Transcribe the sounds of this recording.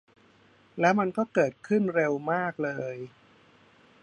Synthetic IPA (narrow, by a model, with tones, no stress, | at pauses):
lɛː˦˥wma˧nkɔː˥˩kɤː˨˩t̪̚kʰɯ˥˩nɾe˧wmaː˥˩k̚lɤː˧j